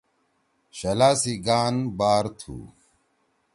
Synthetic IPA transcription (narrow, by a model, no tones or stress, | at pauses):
ɕɐlaːsiɡaːnbaːɾt̪ʰṵː